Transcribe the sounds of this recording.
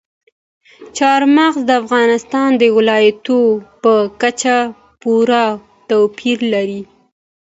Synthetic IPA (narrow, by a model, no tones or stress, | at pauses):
t͡ʃɑɾmaɣzd̪əafɣɑnɪst̪ɑnd̪əwɪlɑjat̪opəkat͡ʃa | puɾa | t̪awpiɾlaɾi